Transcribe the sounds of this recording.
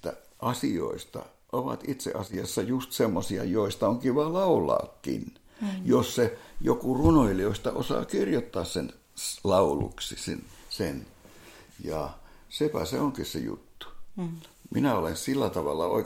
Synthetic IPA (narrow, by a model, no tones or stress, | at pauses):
t̪æʔɑsio̰ist̪ɑ̰ | ʔoʋɑ̰t̪it̪sḛʔɑsiɑsːɑjust̪semːosiɑ̰joist̪ɑoŋkiʋɑːlɑulˑɑ̰ːkːḭn | jossejokurunoilioist̪ɑʔosɑ̰ːkirjot̪ːɑːssen | lɑulṵksisḭnsen | jɑsepæseoŋkissḛjṵt̪ːu̥ | minæolensilːæt̪ɑʋɑlːɑo̰i